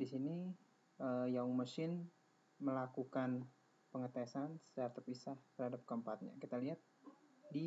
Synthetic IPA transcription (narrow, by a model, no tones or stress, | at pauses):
disini | əjaŋməsɪn | məlakukan | pəŋət̪esansədaɾt̪əpisaht̪ərhadap̚kəmpat̪̚ɲa̰kit̪aliɦat̪̚di